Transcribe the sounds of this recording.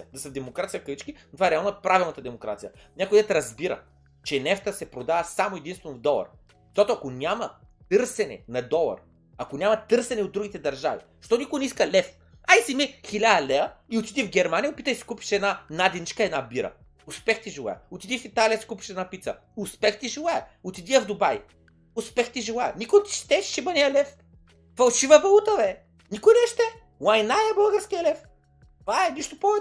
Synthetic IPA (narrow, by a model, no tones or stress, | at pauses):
ɐd̪ɐsɐvd̪ɛmokɾat̪sijəfkɐit͡ʃkinot̪ovaɛɾɛalˠnɐɛpɾavilˠnɐt̪əd̪ɛmokɾa̰t̪sijə | nʲakod̪ɛt̪ɾɐzbiɾə̰ | t͡ʃɛnɛft̪əsɛpɾod̪avɐsamoɛd̪inst̪vɛnvd̪ɔlˠɐ̰ɾ̥ | t̪ot̪oɐkonʲamɐ | t̪ɤɾsɛnɛ̰nɐd̪ɔlˠɐ̰ɾ | ɐkonʲamɐt̪ɤɾsɛnɛod̪ːɾuɡʲit̪ɛd̪ɐɾʒavḭ | ʃt̪ɔnikʊjnɛiskɐlʲɛf | aisimixilʲalɛɐiʊt̪id̪ivɡʲɛɾmanʲijəopit̪əjsi̥kupi̥ʃɛd̪nanad̪init͡ʃkəɛd̪nabiɾɐ̰ | ʊspɛxt̪iʒilˠa̰jɛ̰ʊt̪id̪ifit̪alʲiɐsi̥kupiʃɛd̪napit̪sɐ | ʊspɛxt̪iʒilˠajɛʊt̪id̪iəvd̪ʊbaj | ʊspɛxt̪iʒilˠajɛ̰nikʊjt̪i̥ʃt̪ɛʃʃibɐnijɐlɛf | fɐlˠʃivəvɐlˠut̪əvɛ | nikʊjnɛʃt̪ɛ | wˠajnaɛbəlˠɡəɾskiɐlɛf | tvaɛniʃt̪ʊpɔvɛ